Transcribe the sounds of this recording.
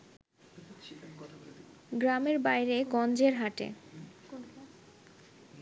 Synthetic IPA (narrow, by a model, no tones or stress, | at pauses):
ɡɾameɾbajɾekɔnd͡ʑeɾɦaʈḛ